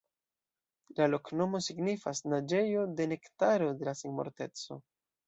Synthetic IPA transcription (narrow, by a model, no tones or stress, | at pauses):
lalo̞kno̞mo̞siɡnifasnad͡ʒe̞jo̞de̞ne̞ktaɾo̞de̞lasiŋmo̰ɾte̞t͡so̞̰